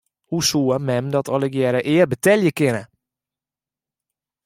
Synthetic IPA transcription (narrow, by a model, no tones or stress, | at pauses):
husuəmɛmdɔtʰɔləɡjɛɾəʔɪːərbətɛljəkɪnə